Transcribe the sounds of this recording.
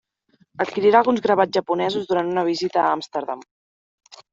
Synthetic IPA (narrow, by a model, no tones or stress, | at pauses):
ət̪̚kiɾiɾaːlˠɣunzɣɾəβaʒəpunɛzuzðuɾant̪unəβ̞izit̪əːamst̪əɾðam